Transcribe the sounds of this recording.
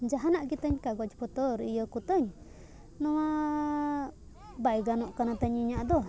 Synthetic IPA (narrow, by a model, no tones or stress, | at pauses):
d͡ʒaɦanaʔkit̪əɲkaɡwad͡ʒi̥pɔt̪ɔɾijəkut̪əɲ | nɔwa | bajɡanɔʔkanat̪aɲiɲaʔd̪ɔ